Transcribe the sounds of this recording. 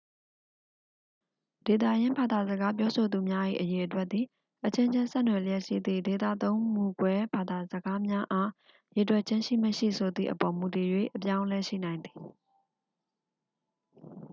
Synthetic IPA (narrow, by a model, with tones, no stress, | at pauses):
d̥e˨t̪̬ä̰˦˨jɪ̃˦mba˨d̪a˨zə˨ɡa˦p̬jɔ˦so˨d̪u˨mja˦ʔḭ˦˨ʔəje˨ʔətwɛ˦t̪t̪i˨ | ʔət͡ɕʰɪ̃˦ɲd͡ʑɪ̃˦nsɛ̰˦ʔnwɛ˨ləjɛ˦ʔʃḭ˦˨d̪ðḭ˦˨de˨t̪ä̰˦˨t̪õ˦ʊ̃mu˦˨ɡwɛ˦ba˨d̪a˨zəɡa˦mja˦ʔa˦ | je˨twɛ˦ʔt͡ɕʰɪ̃˦ʃḭ˦˨mə˨ʃḭ˦˨sʰo˨d̪ðḭ˦˨ʔəpɔ˨mu˨ti˨jwḛ˦˨ʔəp̬jã˦ʊ̃lɛ˦ʃḭ˦˨nã˨ɪ̃nd̪i˨